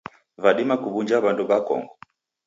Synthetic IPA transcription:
vaɗimakuβund͡ʒaβanduβakɔ̰ŋɡɔ

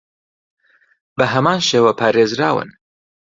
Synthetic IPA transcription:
bɐɦɐmaːnʃeːwapʰaːɾeːzɾaːwɨ̰n

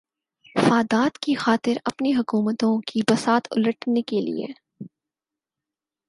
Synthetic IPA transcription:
faːd̪aːt̪kixaːt̪ɪɾɐpniɦʊkuːmət̪õkibɐsaːt̪ʊ̰ləʈnekelḭḛ

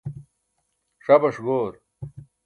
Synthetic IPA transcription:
ʂɐbɐʂɡoːɾ

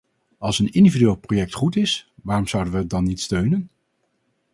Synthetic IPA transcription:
ɑlˠsənɪndividyɪːlˠprojɛk̚tχutɪsʋaːrɔmzʌwdənʋədɑnːitstøɥnən

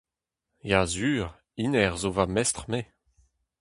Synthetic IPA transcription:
jaːzyːʁ | inɛʁzovamɛst̪χme

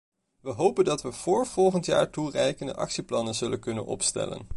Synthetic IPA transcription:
ʋəɦowpəndɑtʋəv̥ʊːɹv̥ɔlˠχəntja̰ːɹturɛjkəndəʔɑ̰ksiplɑnənzɵlənkɵnə̰nɔ̰pstɛ̰lə̰n

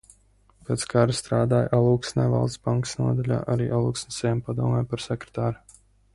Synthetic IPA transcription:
peːt̪skʰaɾast̪ɾaːd̪aːjʔalˠuːksnɛjva̰lˠd̪sbaŋksnuɔd̪alʲa̰ːʔaɾiːʔalˠuːksnesɛjampad̪uɔmɛːpaɾsɛkɾe̥t̪aːɾu

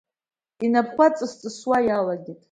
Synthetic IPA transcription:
inapʰχʷat͡sʼɨst͡sʼɨswajalaɡʲitʼ

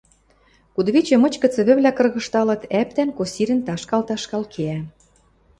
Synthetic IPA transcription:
kud̪βit͡ɕĕmɤ̆t͡ɕkɤ̆t͡sə̆βɘ̆βlʲækɤ̆rɣɤ̆ʃt̪ɑlɤ̆t̪æp̚t̪ænkosʲiɾʲɘ̆nt̪ɑʃkɑlt̪ɑʃkɑlkʰeæ

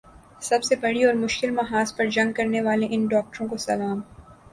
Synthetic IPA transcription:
sɐbsebɐɽiɔːɾmʊʃkɪlmɐɦaːspɐɾd͡ʒɐ̃ŋɡ̚kɐɾneʋaːleʔɪnɖɔːk̚ʈəɾõkosɐlaːm

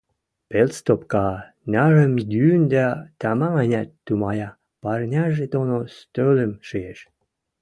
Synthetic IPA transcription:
pelst̪opkɑ | nʲɑɣə̆mjynʲd̪æt̪ɑmɑɑnʲæt̪ːumɑjɑ | pɑrnʲɑʒet̪onost̪ølə̆mʃɨjeʃ

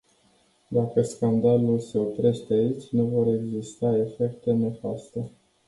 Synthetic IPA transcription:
d̪akəskand̪alulse̞o̞pɾe̞ʃt̪eait͡ʃʲnuvo̞ɾe̞ɡzist̪ae̞fe̞kt̪e̞ne̞fast̪e̞

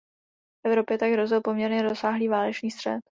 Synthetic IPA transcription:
fʔɛvɾo̞pjɛt̪aɡɦɾo̞zɪlpo̞mɲɛɾɲɛɾo̞saːɦliːvaːlɛt͡ʃniːst̪r̝̥ɛ̰t̪

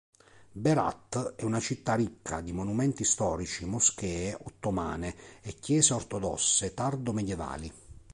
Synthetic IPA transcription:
bɛɾa̰t̪ːɛunat͡ʃit̪ːaɾikʰːa̰d̪imonumɛnt̪ist̪ɔːɾit͡ʃimosk̟ɛːʔot̪ːoma̰ːneɛkːjɛːzeɔrt̪ɔd̪ɔ̰sːet̪ard̪omed̪jɛva̰ːli

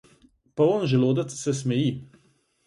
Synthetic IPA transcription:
paɔnʒɛloːd̪at̪sɛs̬mɛji

